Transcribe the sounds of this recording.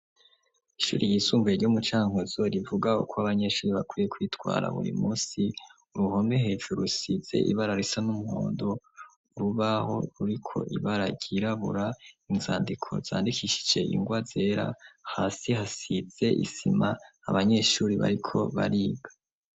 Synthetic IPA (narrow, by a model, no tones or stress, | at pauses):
iʃṵːɾʔijiːsuːmveeɾɟomut͡ʃaːŋhozoɾivuɡaṵkʰoaβaɲe̞ːʃuːɾiβakwiːje̞kwiːtwa̰ːɾa̰βṵɾḭmuːsi | uɾuho̞mehe̞ːd͡ʒuɾusiz̥e̞̰ʔḭβaɾaɾisanumuho̰ːndo̞ | uɾuβaho̞̰ɾuɾikʰo̞̰ʔiβaɾaɟiɾaβṵɾainzaːndikʰo̞̰z̥a̰ːndikʰiʃi̥d͡ʒe̞ʔḭŋɡwaze̞ːɾa̰haːsihasiz̥e̞ʔḭsima̰ː | βaɲe̞ʃuːɾiβa̰ɾikʰo̞βa̰ɾiːɡḁ